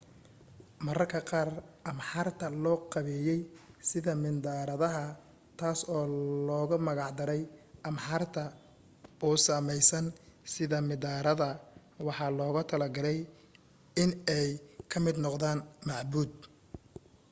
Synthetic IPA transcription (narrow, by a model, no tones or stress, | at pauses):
mɐrɐrkʰɐqɑːrʔɐmħɑrt̪ʰɐlɔːqɑβɛːjɛjsɪðɐmɪnd̪aːɾɐðɐɦɐ | t̪ʰaːsɔːlɔːɣʊmɐɣɑʕd̪ɐɾɛjʔɐmħɑrt̪ʰɐ | ɔːsaːmɛjsɐnsɪðɐmɪd̪aːɾɐðɐ | wɑħɑːlɔːɣʊt̪ʰɐlɐɡɐlɛj | ɪnɛjkʰɐmɪd̪nɔqðaːnmɑʕbuːd̪